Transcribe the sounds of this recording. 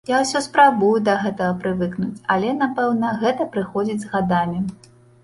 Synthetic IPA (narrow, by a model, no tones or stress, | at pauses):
jawsʲɔspɾabujud̪ɐɣɛt̪ɐɣɐpɾɨvɨknut͡sʲalʲɛnapɛwnɐɣɛt̪ɐpɾɨxɔd͡zʲid͡zʲzɣad̪amʲi